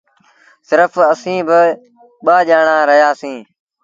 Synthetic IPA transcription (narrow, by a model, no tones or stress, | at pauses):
sɪɾəfəsĩːbɪ | ɓaːʄaːɳaːɾəɦjaːsĩː